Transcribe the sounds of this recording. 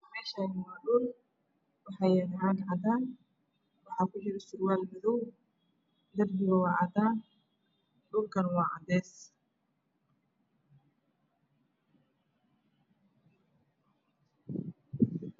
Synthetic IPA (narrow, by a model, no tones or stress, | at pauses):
mɛːʃaːnɪwaːɗʊl | wɑħɑjɛnɐɦaːɡ̪ʕɑd̪aːn | wɑħɑːkʰʊħɪɾsʊɾwaːlmɪðɔw | d̪ɐrbɪɣɐwɑːʕɑd̪aː | ɖʊlkʰɐnwɑːʕɑ̰d̪ɛːs